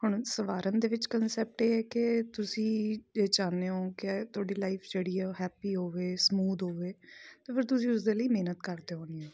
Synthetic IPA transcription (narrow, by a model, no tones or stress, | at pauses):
hʊɳ̃səʋaːɾənd̪eːʋɪt͡ʃkənsɛːp̚ʈeːɛːkɪt̪ʊsĩːd͡ʒeːd͡ʒaːneːɦoːkɪt̪ʰʊaːɖiːlaːipʰd͡ʒeːɽiːɛːɦɛːpiːɦoːʋeːsmuːd̪ɦoːʋeːt̪eːpʰɪɾt̪ʊsĩːʊsd̪eːləiːmeːnət̪kəɾd̪eːɦoːñiːõː